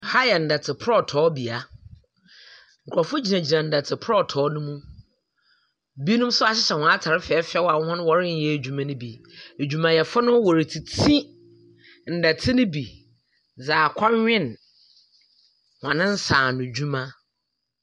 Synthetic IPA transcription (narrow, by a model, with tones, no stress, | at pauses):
ha˦jɛ˨n̩˨da˨tʰɪ˨pʰɾɔ˦˨tʰɔː˦bi˨a˨ | ŋ̩˨kʰɔ˨fʊ˦d͡ʑi˨nã˨d͡ʑi˨nã˨n̩˨da˨tʰɪ˨pʰɾɔ˦tʰɔː˨˦nʊ̃˦mũ˦ | bi˦nũ˦m˦sʊ˦a˨ɕɪ˦ɕɛ˨hɔ̃˨a˦tʰa˨ɾɪ˦fɛ˨˦fɛ˦wa˨˦hʊ̃˦nʊ̃˦wɔ˦ɾɪ˦n̩˦jɛ˦˨d͡ʑᶣu˨mã˦nʊ̃˦bi˨e˨d͡ʑᶣu˨mã˨jɛ˨fʊ˦nʊ̃˦wɔ˨ɾi˨tʰi˨tʰĩ˦ | n̩˨da˨tʰɪ˦nʊ̃˦bi˨ | d͡zaː˨kʷʰa˦ɲᶣɪ̃˦˨n | hɔ̃˨nɪ̃˦n̩˦saː˨nʊ̃˨d͡ʑu˦mã˦